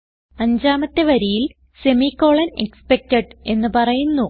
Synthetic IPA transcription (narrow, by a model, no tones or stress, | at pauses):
ɐɲd͡ʑaːmɐt̪ːe̞ʋɐɾijil | se̞mikːo̞ːɭɐnekspek̚teɖe̞nːɨpɐrɐjunːu